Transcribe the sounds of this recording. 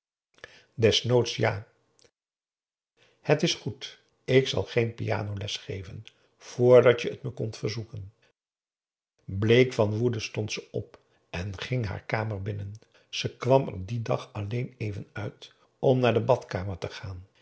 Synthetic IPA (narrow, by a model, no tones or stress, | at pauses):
dɛsnowtsjaː | hətɪsχut | ɪksɑ̰lˠχejnpḭja̰ːnowlɛsχejvən | v̥ʊːɹdɑtjəətməkɔntfəɹzukən | blejkfɑnʋudəstɔntsəɔp | ɛnχɪŋɦa̰ːɹkaːməɹbɪnən | z̥əkʋɑmə̰didɑχɑlejnejvənœɥt | ɔmnaːɹdəbɑtkaːməɹtəχaːn